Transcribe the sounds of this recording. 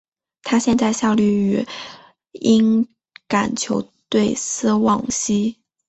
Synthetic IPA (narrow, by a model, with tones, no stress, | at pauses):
t̪ʰa˥ɕjɛ˥˧nt͡sa˥˧ɪɕjɑ˥˧ʊly˥˩y˨˧˥ | i˥n | ka̰˨˩nt͡ɕʰjo˧˥ʊt̪we˥˩ɪsɹ̩˥wɑ˥˩ŋɕi˥